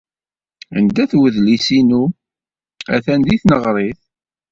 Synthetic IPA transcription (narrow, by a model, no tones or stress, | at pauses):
ə̰nd̪æθwəðlisinu | æθænd̪iθnəʁɾˤeθ